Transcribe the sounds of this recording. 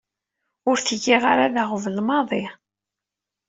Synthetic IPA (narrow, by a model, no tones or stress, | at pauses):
ʊɾθəʝiʁaɾaðaʁəvəlmɑðˤi